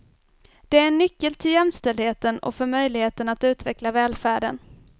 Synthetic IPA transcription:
d̪̥ɛæɾɛnːʏkːəlt̪ʰɪljɛmst̪ɛld̪heːt̪ənɔ̰fœɾmœjlɪheːt̪ənat̪ʉ̟ːt̪vɛklavɛːlfæːɖə̰n

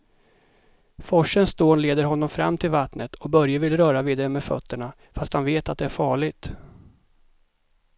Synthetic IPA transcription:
fɔʂənst̪oːnleːd̪əɾɦɔnːɔmfɾa̰mːt̪ʰɪlvat̪nət̪ʰɔbœɾjəvɪlɾœːɾaviːd̪aɾəmɛfœ̰t̪ʰːəɳa | fast̪hanveːt̪at̪̚d̪ɛæɾfɑːɭɪɡt̪

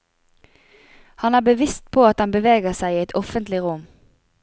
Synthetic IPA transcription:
hɑnæːbəʋɪst̪̚pʰoːɑt̪hɑnbəʋeːɡəʁsæɪiːɛt̪ɔfənt̪lɪʁʊm

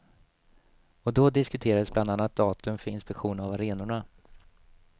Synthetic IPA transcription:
ɔd̪ɔd̪ɪskɵt̪ʰeːɾad̪əsbland̪anːat̪̚d̪ɑːt̪ɵmfœɾɪnspɛkɧuːnavaɾeːnʊɳa

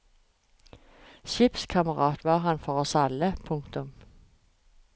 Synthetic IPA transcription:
ɕɪpskʰɑməʁɑːt̪ʋɑːʁɦɑnfɔʁɔsɑləpʰʊŋkt̪ʊm

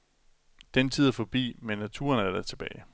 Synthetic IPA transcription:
d̥ent͡sʰiðˠæɐfɒ̽b̥ḭːmenːæt͡sʰṵːɐnæɐd̥æt͡sʰe̝b̥ɛːɪ

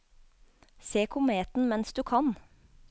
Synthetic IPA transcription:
seːkʰʊmeːt̪n̩mɛnsd̪ʉːkʰɑn

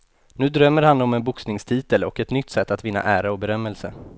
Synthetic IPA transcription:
nʉ̟ːd̪ɾœmːəɾhanːɔmɛnbʊksnɪŋst̪ʰiːt̪əlɔkɛt̪nʏt̪ːsɛt̪ːat̪vɪnːa̰ʔæːɾaɔbɛɾœmːɛlsə̰

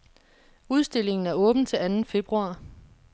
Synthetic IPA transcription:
uð̞ˠsd̥e̝le̝ŋn̩æɐɔ̽ːb̥n̩t͡sʰe̝lænn̩fe̝b̥ʁuɑ̰̈ː

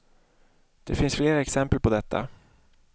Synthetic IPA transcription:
d̪̥ɛfɪnsfleːɾaɛksɛmpəlpʰɔd̪ɛt̪ːa̰

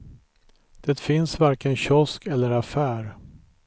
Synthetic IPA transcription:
d̪̥ɛt̪fɪnsvaɾkənɕɔskɛlːəɾafæːɾ

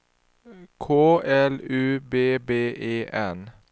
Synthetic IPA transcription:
kʰoːɛlʉːbeːbeːʔeːʔɛn

